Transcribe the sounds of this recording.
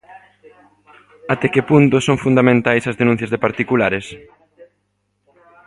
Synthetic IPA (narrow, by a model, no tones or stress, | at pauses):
at̪ɛkepunt̪ʊsoŋfund̪amẽnt̪ajsɐzðenũ̟θjɐzðepaɾt̪ikulaɾes